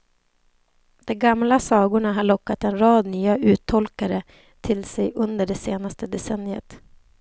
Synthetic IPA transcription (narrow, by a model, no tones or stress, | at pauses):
d̪̥ɔmɡamlasɑːɡʊɳaɦaɭɔkːat̪ɛnɾɑːd̪nyːaʔʉ̟ːt̪ʰɔlkaɾə | t̪ʰɪlsɛjʔɵnd̪əɖɛseːnast̪əd̪ɛsɛnjə̰t̪